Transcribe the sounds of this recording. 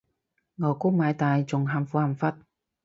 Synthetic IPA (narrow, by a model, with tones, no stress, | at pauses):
ŋɔ˨˩ku˥k̚maː˨˧˦jt̪aː˨˩jt͡sʊ˨˩ŋɦaː˧mfuː˨˥ha˨˧˩mfa˦˥t̚